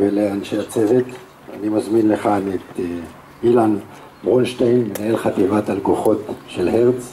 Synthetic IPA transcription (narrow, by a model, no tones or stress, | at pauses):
veleanʃeat͡sevet | a̰nimazminleχanet̪ | milan | bʁonʃt̪ejnmenaelχat̪ivat̪alkoχo̞t̪ʃelheʁt͡s